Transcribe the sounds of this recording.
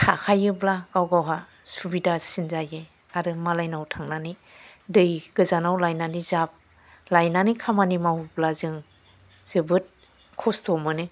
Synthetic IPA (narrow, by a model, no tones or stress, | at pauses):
tʰakʰajɯblaɡawɡawɦa | subidasinzaje | aɾɯmalajnawtʰaŋnani | dɯjɡ̥ɯzanawlajnanizap̚ | lajnanikʰamanimawublazɯŋ | z̥ɯbɯt̚ | kʰɔstɔmɯnɯ